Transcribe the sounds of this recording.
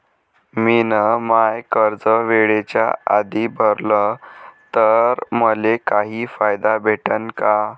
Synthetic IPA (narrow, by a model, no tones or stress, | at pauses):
minəmajkəɾd͡zəʋeɭet͡ɕja̰a̰d̪iːbʱəɾlət̪əɾməlekaɦiːfajd̪abʱeʈənka